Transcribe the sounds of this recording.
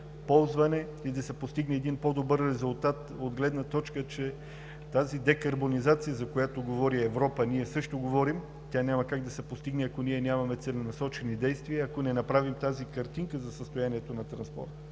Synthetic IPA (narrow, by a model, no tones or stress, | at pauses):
pɔlˠzvɐnɛ | id̪ɐsɛpost̪iɡnɛːd̪inpod̪obəɾːɛzulˠt̪at̪od̪ɡlɛd̪nɐt̪ɔt͡ʃkət͡ʃɛ | t̪azid̪ɛkɐɾbonizat̪sijəzɐkojat̪oɡovɔɾiɛvɾɔpəniɛsɤʃt̪oɡovɔɾim | t̪ʲanʲamɐkaɡ̚d̪ɐsɛpost̪iɡnɛɐkoniɛnʲamɐmɛt̪sɛlɛnɐsɔt͡ʃɛnid̪ɛjst̪viəɐkonɛnɐpɾavimt̪azikɐɾt̪iŋkəzɐsəst̪ojaniɛt̪onɐt̪ɾɐnspɔ̰ɾt̪